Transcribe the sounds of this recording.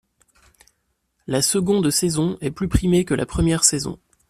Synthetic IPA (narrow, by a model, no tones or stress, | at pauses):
lasəɡɔ̃d̪sezɔ̃ɛplypχimekəlʔa̰pχəmjɛʁsezɔ̰̃